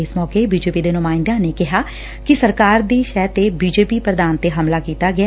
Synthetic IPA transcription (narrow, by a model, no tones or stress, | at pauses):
ɪsmɔːkeːbiːd͡ʒeːpiːd̪eːnʊmaːɪ̃nd̪ãːneːkɪɦaː | kɪsəɾkaːɾd̪iːʃɛːt̪eːbiːd͡ʒeːpiːpɾəd̪aːnt̪eːɦəmlaːkiːt̪aːɡɪa